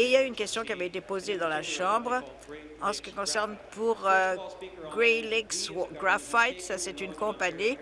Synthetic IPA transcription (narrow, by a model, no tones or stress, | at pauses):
iiljayːnkʲɛst̪jɔ̃kiavɛet̪epozed̪ɑ̃laʃɑ̃bʁ | ɑ̃sə̥kʲikɔ̃sɛʁnpuʁøɡʁelikswɡʁafajt̪sasɛt̪ynkɔ̃pani